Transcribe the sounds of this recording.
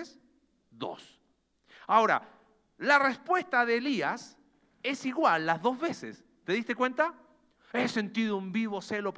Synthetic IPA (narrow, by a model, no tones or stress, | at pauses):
s | d̪o̰s | ao̞ɾa̰ | larespwe̞st̪aðeːlias | e̞siɣwalːazðo̞zβesḛs | t̪e̞ðist̪e̞kwe̞nt̪a | ese̞nt̪iðoumbiβo̞selop